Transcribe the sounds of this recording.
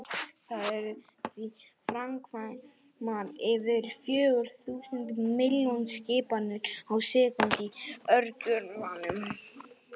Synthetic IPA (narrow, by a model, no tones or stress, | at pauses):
θaðɛɾ | θi | fɾamkʰvaj | maɾɪvɪɾfjøːɣʏɾ̥θuːsʏnt̪mɪljɔnscɪːpanːʏɾ̥awsɪːkʏnt̪iœɾcʏɾvanʏm